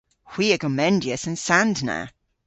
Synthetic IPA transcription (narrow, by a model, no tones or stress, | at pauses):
hw̥iːəɡəmɛ̃ndiəsə̃nsãndnə̰